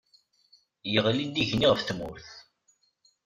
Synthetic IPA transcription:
jəʁlind̪iʝniʁəfθmʊɾθ

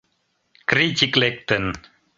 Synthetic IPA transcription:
kɾit͡ʃiklek̚t̪ən

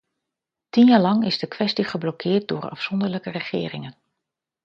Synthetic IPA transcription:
tinjaːɹlɑŋɪzdəkʋɛstiχəblɔkʰɪːt̚dʊ̰ːrɑ̰fsɔndəɹləkərəχɪːrɪŋən

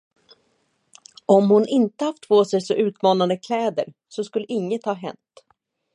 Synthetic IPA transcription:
ɔmhʊnʔɪnt̪əhaft̪ʰːvoːsɛjsɔʔʉ̟ːt̪mɑːnand̪əkʰlɛːd̪əɾ | sɔskɵlːəʔɪŋːət̪hɑːɦɛ̰nt̪

